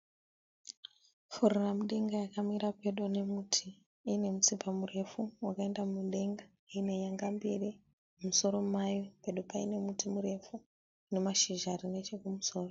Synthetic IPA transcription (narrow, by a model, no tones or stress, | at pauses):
fururamuɗe̞ŋɡajakamiɾape̞ɗone̞mutʰi | ine̞mut͡sipʰamure̞fuwakae̞ndamuɗe̞ŋɡa | ine̞jaŋɡambiri | muso̞ɾo̞majope̞ɗo̞paḭne̞mutimuɾe̞fu | ne̞maʃiʒarine̞t͡ʃekumuso̞ːro